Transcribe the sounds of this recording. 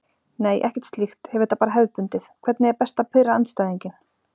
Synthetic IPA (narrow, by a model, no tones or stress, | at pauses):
neːjʔɛ̰hcɛ̥t̪st̪lixt̪hɛvʏɾ̥t̪apaːɾaɦɛððpʏnt̪ɪθkʰvɛt̪nɪɛɾpɛst̪apʰɪðɾaant̪st̪ajðiɲcɪn